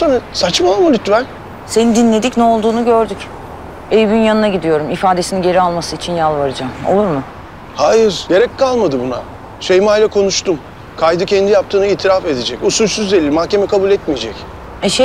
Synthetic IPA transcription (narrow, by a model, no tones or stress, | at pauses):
sanasat͡ʃmamulʲyt̪vɛlʲ | se̞nid̪inlʲe̞d̪icnɛo̞lˠd̪uːnuɟø̞ɾd̪yc | ejvinjanɯnaɟid̪ijo̞ɾumifaːd̪e̞sininɟe̞ɾialˠmasɯit͡ʃʰinjalˠvaɾad͡ʒamo̞̰lˠuɾmʊ | hajɯɾje̞ɾɛcʲkʰalˠmad̪ɯbuna̰ | ʃejmajlʲakʰo̞nuʃt̪ʰum | kʰajd̪ɯcʰɛnd̪ijap̚t̪ʰɯːnɯiːt̪ʰiɾafe̞d̪ed͡ʒɛcusulʲsyzd̪e̞lʲilʲmahce̞mɛkʰabulʲɛt̪mijed͡ʒɛc | ɛʃe